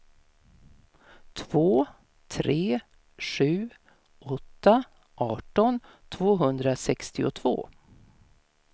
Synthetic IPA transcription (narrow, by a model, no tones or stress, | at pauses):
t̪ʰv̥oː | t̪ʰɾeː | ʂʉ̟ː | ʔɔt̪ːa | ʔɑːʈɔn | t̪ʰvoːɦɵnd̪ɾasɛkst̪ɪʊ̰t̪ʰv̥o̰ː